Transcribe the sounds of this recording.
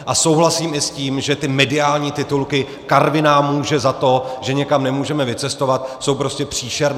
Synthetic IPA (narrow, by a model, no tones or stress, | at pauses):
ʔaso̞wɦlasiːmɪsciːmʒɛt̪ɪmɛdɪaːlɲiːt̪ɪt̪ulkɪ | kaɾvɪnaːmuːʒɛzat̪o̞ʒɛɲɛkamnɛmuːʒɛmɛvɪt͡sɛst̪o̞vat̪̚so̞wpɾo̞scɛpr̝̥iːʃɛɾn